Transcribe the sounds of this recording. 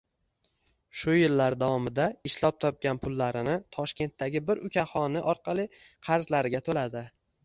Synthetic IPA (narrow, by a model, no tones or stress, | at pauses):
ʃʊjɪlːaɾd̪avɒmɪd̪aɪʃlˠɒp̚t̪ʰɒp̚kʲanpʰʊlːaɾɪnɪt̪ʰɒʃkʲe̞nt̪ːaɡʲɪbɪɾʊkʲʰahɒnɪʔɒɾqʰɑlˠi | qʰɑɾzlaɾɪɡʲat̪ʰolad̪ɪ